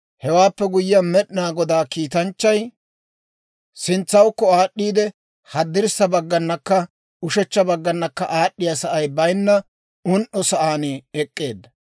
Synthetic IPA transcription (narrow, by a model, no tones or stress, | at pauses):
hɛwaːpːɛɡʊjɪjɐmɛɗɪnaːɡɔd̪aːkiːt̪ɐnt͡ʃːɐj | sɪnt͡sːɐwkːɔaːɗːiːd̪ɛ | hɐd̪ːɪɾsːɐbɐɡːɐnːɐkːɐ | ʊʃɛt͡ʃːɐbɐɡːɐnːɐkːɐ̰ʔaːɗːɪjɐsɐʔɐjbɐjnːɐ | ʊnʔɔsɐʔaːneɛkʼːe̞ːd̪ːɐ